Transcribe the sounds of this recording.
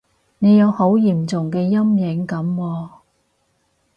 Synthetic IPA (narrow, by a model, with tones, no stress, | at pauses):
ne˨˧jɐ˨˧who˨˥wjiː˨˩mt͡sʊ˨˩ŋkɛː˧jɐ˥mjɪ˨˥ŋkɐ˨˥mwɔː˧